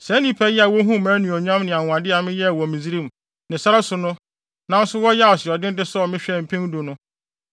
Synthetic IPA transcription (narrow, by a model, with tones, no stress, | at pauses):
sɛ˨˦nĩ˦pʰɛ˦jɛ˦a˨wɔ˦ɦũ˦˨mæ̃ː˨˦nũ˨ɔ˨ɲᶣ˦ã˦mnɪ̃˨a˨ŋ̃˨ã˨dɪ˦a˨mɪ̃˦jɛ˦˨wɔ˨mĩ˨zi˦ɾĩ˦m˨ | nɪ̃˨sa˦ɾa˦sʊ˨nʊ̃˦ | nã˦n̩˦sʊ˦wɔ˦jɛ˦a˨sɪ˨ɔ˨dɪ̃˦n˦dɪ˦sɔ˦ɔ˨mɪ̃˦ɕᶣɛ˦˨m̩˨pʰĩ˦n˦dʊ˨nʊ̃˦